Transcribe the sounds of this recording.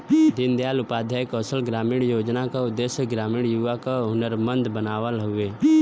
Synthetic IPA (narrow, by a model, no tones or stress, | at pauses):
d̪ɪnd̪jaːlʊpaːd̪ʱakɔːsəlɡɾaːmiːɽ̃joːd͡ʒnakaʊd̪ːesjəɡɾaːmiːɽjuʋakaʊnəɾmə̃nd̪bənaːʋəlɦʊeː